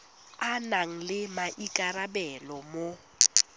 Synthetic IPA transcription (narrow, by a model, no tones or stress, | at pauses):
anaŋ̩lɪmaʔikʼarabɛlɔmo